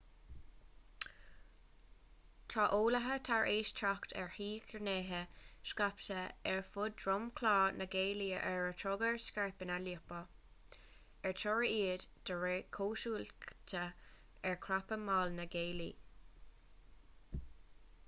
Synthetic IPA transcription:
t̪ʰɹaʔoːləɦət̪ʰaɹʔeːʃt̪ʰɹakt̪ʰɛɹhiːkʰəɹneːɦəʃkaptəɛɹfʊdɹʊmkʰlɑːnəɡeːliəʔɛɹətʰɹʊɡəɹskɛɹpənaliəpə | ɛɹt͡ʃʰɔɹiiːd̪d̪̥əɹekʰoːʃuːlt̪ʰə | ɛɹkʰɹapəmɑːlnəɡeːlḭ

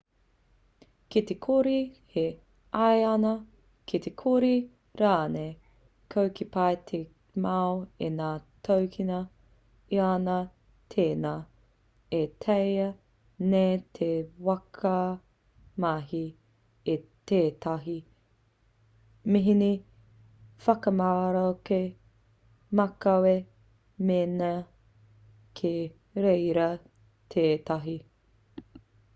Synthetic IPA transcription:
kit̪ekʰoɾihe | ɐjɐnɐ | kʰit̪ʰekʰoɾi | ɾaːne | kʰowkʰipajt̪ʰe | maoenaːtʰowkʰinɐ | ianɐ | tʰeːnaː | etʰejɐ | nejtʰewɐkʰɐ | maɦi | et̪eːt̪ɐɦi | miɦini | fɐkɐmaɾake | mɐkɐwe | menɐ | kʰe | ɾejɾɐ | t̪ʰeːt̪ɐɦi

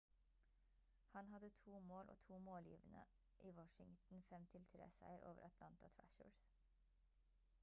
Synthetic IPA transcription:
hɑnɦɑd̪ət̪ʰuːmoːlʔo̰ːt̪ʰuːmoːljḭːʋənə | ʔiːwɔʃɪŋt̪n̩fɛmt̪ʰɪlt̪ʰɾḛːsæɪəɾʔoːʋəɾʔɑt̪ʰlɑnt̪ɑt̪ʰɹæ̰ʃə̰ɹs

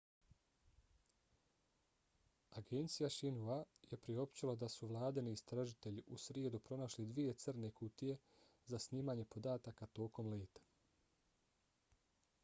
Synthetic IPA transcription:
aɡe̞nt̪sijaʃinuaje̞pɾio̞pt͡ɕilˠad̪asuʋlˠaːd̪eniːst̪ɾaʒit̪e̞ʎiʔusɾje̞d̪upɾo̞naʃlid̪ʋije̞t̪sɨr̩ne̞kut̪ije̞ | zasniːmaɲe̞po̞d̪aːt̪akat̪o̞ːko̞mleːt̪ḁ

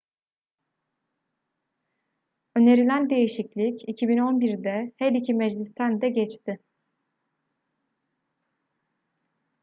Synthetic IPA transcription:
ø̞ne̞ɾilʲænd̪e̞jiʃiclʲicicʰibino̞nbiɾd̪ɛhɛlicʰimɛd͡ʒlʲist̪ʰænd̪ɛɟɛt͡ʃt̪ʰɪ

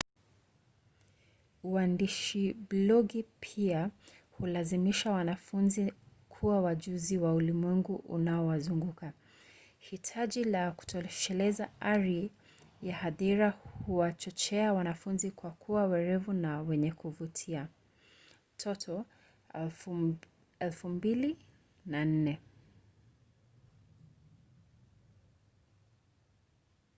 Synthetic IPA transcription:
uandiʃiblɔɡipʰia | hulazimiʃawanafunzikʰuwawaʄuziwaulimwɛŋɡuʔṵnaɔwazuŋɡuka | hitʰaʄilaku̥tʰɔʃɛlɛzaaɾi | jahaðiɾahuwat͡ʃɔt͡ʃɛawanafunzikwakʰuawɛɾɛvunawɛɲɛkuvutʰia | tʰɔtʰɔ | ɛlfumbili | nan̩nɛ

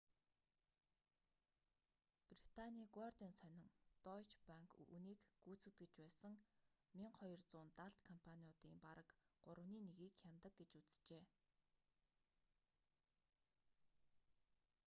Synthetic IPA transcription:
prit̪ʰaniːɡwart̪iːnsœnʲɪ̆ŋt̪ɔjt͡ɕpaŋkʰṵniːkɡ̥uːt͡sɘ̆t̪ɡĕt͡ɕpæːsə̆ŋmiɴχɔjɞ̆rt͡sʊːnt̪aɬt̪kʰɔmpʰaniʊt̪iːmpaɾə̆kɢ̥ʊɾə̆wniːneɣiːkxʲamt̪ə̆k̚ɡet͡ɕut͡sɘ̥t͡ɕeː

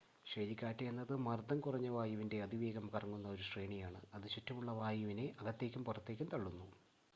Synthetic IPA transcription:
ɕeːlikʲːaːtːɐjenːɐðɨmɐrd̪ɐmkurɐɲːɐʋaːjuʋinde̞ɐd̪iʋeːɡɐmkɐrɐŋːunːɐo̞ɾusreːɳijaːɳɨɐðɨɕutːɐmuɭːɐʋaːjuʋine̞ʔɐɣɐt̪ːe̞ːkʲːumpurɐt̪ːe̞ːkʲːumt̪ɐɭːunːu

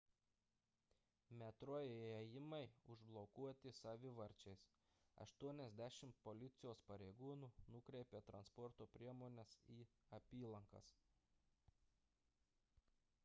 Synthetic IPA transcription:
mʲɛt̪ɾoːjeɛjɪmɐɪʊʒblˠɔkuɔt̪ʲɪsɑʋʲɪʋɐɾʲt͡ʃʲɛɪs | ɐ̰ʃt̪uɔnʲɛzʲd̪ʲæʃʲɪmt̪polʲɪt̪sʲɪjoːspɐɾʲeɪɡuːnuːnʊkɾʲɛɪpʲeːt̪ɾɐnspɔɾt̪oːpʲɾʲiɛmoːnʲɛsiːɐpʲiːlˠɐŋkɐ̰s

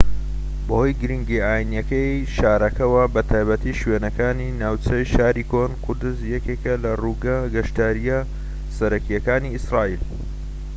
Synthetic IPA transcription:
bɐho̞ːjɡɨɾiŋɡiʔaːjinjɐkɐjʃaːɾɐkɐwɐbɐt̪ʰaːjbɐt̪iʃwenɐkaːninaːwt͡ʃɐjʃaːɾikonkʰʊɾd̪ɨzjɐkekɐlɐruɡaɡɐʃt̪aːɾijɐ | sɐɾɐkijɐkaːniisɾaːʔiːl

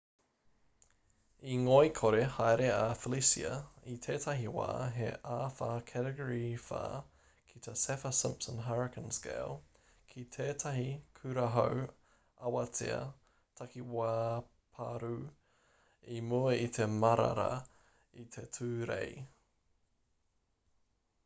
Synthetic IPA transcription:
iŋojkʰoɾehajɾeafəlisiɐ̰it̪ʰeːtʰɐɦiwa̰ːɦḛʔaːfakʰɛɾəɡoɹifa̰ː | kʰit̪ʰesɛfəsɪ̃mpsə̃nɦaɹɪkʰə̃nskḛːlˠ | kʰitʰeːtʰɐɦikʰʉɾɐɦo̰w | ɐwɐtʰḭɐ̰ | tʰɐkiwaː | pʰa̰ɾu | imuəit̪ʰemɐɾɐ̰ɾɐ̰ | it̪ʰetʰʉːɾḛj

